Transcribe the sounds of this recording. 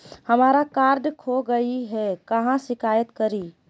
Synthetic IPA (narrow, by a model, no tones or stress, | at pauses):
hɐmaːɾakaːɾɖkʰoɡɐiɦɛkɐɦãʃɪkaːjət̪kɐɾiː